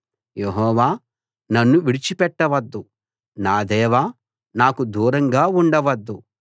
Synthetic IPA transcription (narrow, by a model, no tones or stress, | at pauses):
jeɦɔːʋaː | nɐnːuʋiɽit͡ʃipɛʈːɐʋɐd̪ːu | naːd̪ɛːʋaː | naːkud̪uːɾɐŋɡaːuɳɖɐʋɐd̪ːu